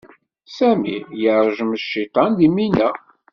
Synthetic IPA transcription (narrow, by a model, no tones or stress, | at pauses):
sæmḭjəɾˤəʒməʃːit̪ˤɑnd̪iminæ